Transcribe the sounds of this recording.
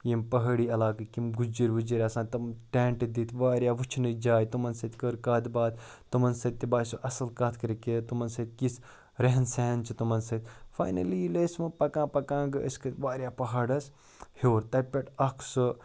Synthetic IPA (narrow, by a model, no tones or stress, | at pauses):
jempɐɦɐɽiːɐlaːkɐkimɡud͡ʒiɾʲʋud͡ʒiɾʲɐsãːt̪ɐmʈeːɳʈɐd̪it̪ʰʋaːɾjaːʋut͡ʃʰnɨd͡ʒaːjt̪umɐnsɐt̪ʲkəɾkaːd̪baːd̪ | t̪umɐnsɐt̪̚ʲt̪ːibaːsuʔɐsɐlkaːt̪ʰkɐɾiket̪umɐnsɐt̪̚ʲkis | ɾeɦɐnseːnt͡ʃʰit̪umɐnsɐt̪ʲfa̰ːjnɐlilesmɐpɐkãːpɐkãːŋɡɨʔɐ̰skʰɐt̪ʲʋaːɾjaːpɐɦaːɖɐs | hoːɾt̪ɐpʲeʈɐkʰsɨ